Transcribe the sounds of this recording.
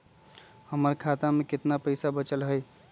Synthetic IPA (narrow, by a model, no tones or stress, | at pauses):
həməɾkʰat̪amekɪt̪napəɪsabət͡ʃəlɦəj